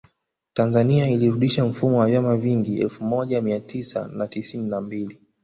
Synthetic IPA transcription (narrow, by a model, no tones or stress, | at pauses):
tanzaniailiɾuɗiʃam̩fumɔwavjamaviŋɡiɛ̰lfumɔʄamiatisa̰natisininambili